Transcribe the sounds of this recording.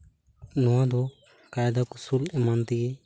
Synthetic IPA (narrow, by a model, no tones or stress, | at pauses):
nɔwad̪ɔ | kajd̪akusulɛmant̪iɡɛ